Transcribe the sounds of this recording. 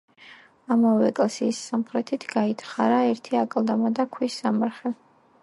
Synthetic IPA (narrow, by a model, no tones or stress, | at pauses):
amavɛkʼlsiːsːamχɾɛt̪ʰit̪ʰɡait̪ʰχaɾaɛɾt̪ʰiakʼlˠd̪amad̪akʰwisamaɾχɛ